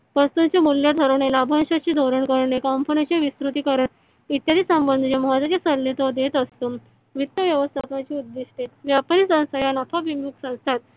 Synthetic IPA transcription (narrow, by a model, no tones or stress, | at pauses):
ʋəst̪ũnt͡ɕemuljat̪ʰəɾəʋɳelabʱə̃nɕat͡ɕiːd̪ʱoɾəɳkəɾəɳekampənet͡ɕaʋist̪ɾut̪iːkəɾəɳ | it̪jad̪iːsəmbənd̪ʱd͡ʑemɔat̪at͡ɕesəɾlet̪ɔd̪et̪əst̪o | ʋit̪ːəʋjəʋəst̪ʰapãt͡ɕiːud̪ːiɕʈet̪ʋjapɾisə̃w̃st̪ʰajanapʰaʋimjuksə̃w̃st̪ʰat̪̚